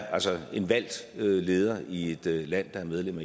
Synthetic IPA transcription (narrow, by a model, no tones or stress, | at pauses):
ælsɒe̝nʋæl̰d̥øle̝ːð̞ˠɐie̝d̥læn̰d̥ɑ̈æɐmeð̞ˠlem̰ɐ